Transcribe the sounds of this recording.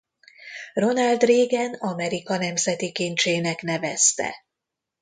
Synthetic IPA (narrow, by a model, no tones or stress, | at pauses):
ro̞nɒld̪reːɡɛnɒmɛɾikɒnɛmzɛt̪ikint͡ʃeːnɛkn̪ɛvɛst̪ɛ̰